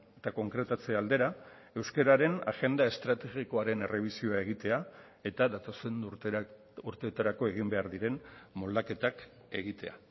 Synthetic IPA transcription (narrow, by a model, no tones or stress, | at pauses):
et̪ako̞ŋkɾe̞t̪at͡seald̪e̞ɾa | e̞wskeɾaɾe̞na̰ɣe̞nd̪ae̞st̪ɾat̪e̞ɣiko̞aɾe̞ne̞re̞β̞isio̞ae̞ɣ̞it̪e̞a | e̞t̪aðat̪o̞sen | uɾt̪eot̪aɾako̞e̞ɣ̞imbe̞aɾðiɾe̞nmo̞ld̪ake̞t̪ak | e̞ɣ̞it̪e̞a̰